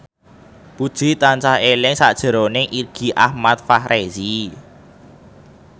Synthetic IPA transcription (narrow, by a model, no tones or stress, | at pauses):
pud̥ʒ̥i̤t̪ant͡ʃahelɪŋsa̰ʔd̥ʒ̥ə̤ɾonɪŋʔirɡ̥i̤ʔahmat̪̚fahɾʔezi